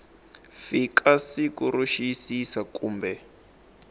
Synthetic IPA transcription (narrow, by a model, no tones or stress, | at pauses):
fikʰasikuɾuʃisisakuːmbɛ